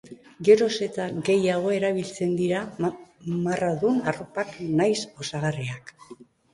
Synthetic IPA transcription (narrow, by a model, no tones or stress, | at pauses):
ɡe̞ɾo̞se̞t̪aɡe̞jaɣ̞o̞e̞ɾaβilt͡se̞nd̪iɾa | maraðunaro̞paknajso̞saɣariak